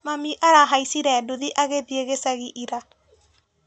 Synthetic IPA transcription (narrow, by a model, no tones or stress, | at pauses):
mamiʔaɾaɦaisiɾɛːdoðiʔaɣeðieɣesaɣiʔiɾa